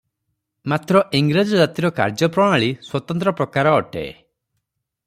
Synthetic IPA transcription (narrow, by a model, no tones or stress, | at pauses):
mat̪ɾɔʔiŋɡɾad͡ʒɔd͡ʒat̪iɾɔka̰ɾd͡ʒɔpɾɔɽ̃aɭiswɔt̪ɔnt̪ɾɔpɾɔkaɾɔːʈḛ